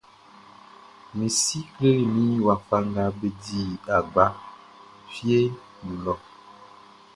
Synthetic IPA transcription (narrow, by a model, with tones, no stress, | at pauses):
mĩ˨si˦kle˦ɾmĩ˦wa˨fa˦ŋɡa˦be˦di˦˨a˨ɡ͡ba˦ | fi˦e˦ | n̩˨lɔ˨